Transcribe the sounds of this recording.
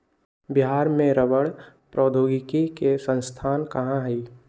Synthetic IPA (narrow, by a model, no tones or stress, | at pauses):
bɪɦaːɾmẽɾəʋəɽ | pɾɔːd̪ʱoːɡɪkikesə̃nst̪ʰaːnkɐɦãɦɛi